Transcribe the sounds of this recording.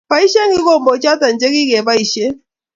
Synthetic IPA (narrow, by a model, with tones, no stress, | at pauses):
pa˨˦i˦ʃɛ˦ŋɡi˦kɔ˦˨mbɔ˨t͡ʃa˦ta˨n̩˨t͡ʃɛ˦ki˦kɛ˨βa˦i˨ʃɛ˦